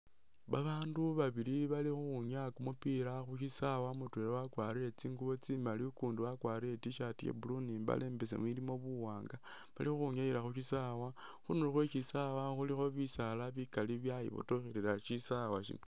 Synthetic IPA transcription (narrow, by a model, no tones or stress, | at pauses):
βaβaːnduβaβiliβalixuxuɲakumupiɾaxuʃisawamutweɾewakwaɾiet͡siːŋɡuβo̞t͡simalikuːndiwakwaːɾetiʃatiḛbulunimba̰le̞ːmbe̞s̬ḛmwilimo̞βuwaːŋɡa | βalixuxuɲaiɾaxuʃisawaxunulxwet͡ʃisawaxulixo̞βisalaβikaliβjajḭβo̰toxeɾeɾaʃisawaʃḭno